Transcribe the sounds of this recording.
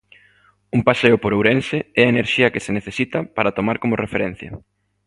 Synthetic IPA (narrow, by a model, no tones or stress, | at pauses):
umpaseʊpoɾowɾensɪɛɐeneɾʃiɐkɪseneθesit̪ɐpaɾɐt̪omaɾkomʊrefeɾɛn̟θjɐ̰